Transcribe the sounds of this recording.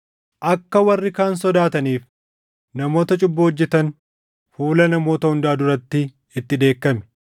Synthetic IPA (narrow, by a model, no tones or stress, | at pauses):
ʔɐkːɐwɐrːɪkaːns̬ɔd̪aːt̪ɐniːf | nɐmo̞ːt̪ɐt͡ʃʼʊbːɐɔd͡ʒːɛt̪ɐn | fuːlɐnɐmo̞ːt̪ɐhʊnd̪aːd̪ʊɾɐt̪ːɪ | ɪt̪ːɪd̪eːkːɐmɛ̥